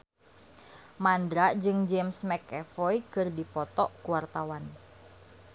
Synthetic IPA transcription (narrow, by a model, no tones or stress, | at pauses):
mandɾaʔd͡ʒɨŋd͡ʒɛmsmɛkɛfɔjkɨrdipɔt̪ɔʔkuwart̪awan